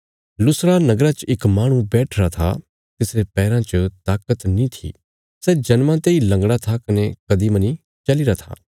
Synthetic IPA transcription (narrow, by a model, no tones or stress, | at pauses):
lʊsɾanɐɡɾat͡ʃɪkmaːɽ̃ũbɛːʈʰɾat̪ʰa | t̪ɪsɾepɛːɾãt͡ʃət̪aːkət̪nĩt̪ʰḭː | sɛd͡ʒɐnmãt̪eilɐ̃ŋɡɽ̃at̪ʰakɐnekɐd̪imɐni | t͡ʃɐliɾat̪ʰa̰ː